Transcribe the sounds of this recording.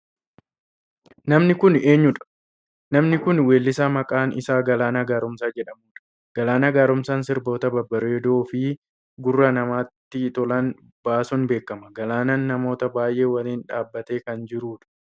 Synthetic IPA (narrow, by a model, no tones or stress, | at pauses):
nɐmnɪkʊne̞ːɲːʊᶑɐ̥ | nɐmnɪkʊnwe̞ːlːɪsaːmɐkʼaːnʔɪ̰saːɡɐlaːnaːɡaːɾʊmsaːd͡ʒɛᶑɐmuːᶑɐ̥ | ɡ̥ɐlaːnaːɡaːɾʊmsaːnsɪɾbo̞ːt̪ɐbɐbːɐɾeːd̪oːfɪ | ɡʊrːɐnɐmaːt̪ːɪt̪ɔlɐn | b̥aːsɔnbe̞ːkːɐmɐɡɐlaːnaːnːɐmo̞ːt̪ɐbaːjʔe̞ːwɐliːnᶑaːbːɐt̪e̞ːkɐnd͡ʒɪɾuːᶑɐ̥